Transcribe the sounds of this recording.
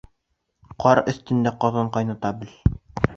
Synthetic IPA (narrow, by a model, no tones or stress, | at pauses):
qʰɒɾɵ̆θt̪ɘ̆nd̪æqɒðɑɴqɑjnɤ̆t̪ɑbɘl